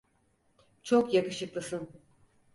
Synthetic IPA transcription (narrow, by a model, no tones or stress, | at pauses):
t͡ʃʰokjakɯʃɯklˠɯsɯn